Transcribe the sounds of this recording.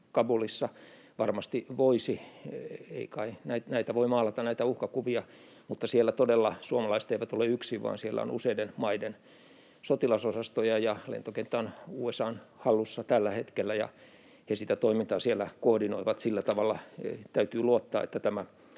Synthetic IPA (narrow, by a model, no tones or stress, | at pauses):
kɑbulisːɑ | ʋɑrmɑst̪iʋoisi | ḛikɑinæit̪næit̪æʋoimɑːlɑt̪ɑnæit̪æuhkɑkuʋiɑ | mut̪ːɑsielːæt̪odelːɑsuomɑlɑise̥t̪eiʋæt̪oleyksiʋʋɑ̰ːnsielːæ̰o̰nṵseidenmɑiden | sot̪ilɑsosɑst̪ojɑjɑlḛnt̪okent̪ːæonuːesɑːnhɑlːusːɑt̪ælːæhet̪kelːæjɑ̰ | hesit̪æt̪oimint̪ɑːsielːækohdinoiʋɑt̪silːæt̪ɑʋɑlːɑt̪æyt̪yːluot̪ːɑ̰ːḛt̪ːæt̪æmæ